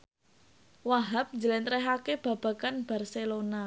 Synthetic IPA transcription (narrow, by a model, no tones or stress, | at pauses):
waɦap̚ɲd͡ʒəlent̪ɾɛɦakeb̥ä̤b̥ä̤kanb̥a̤rselona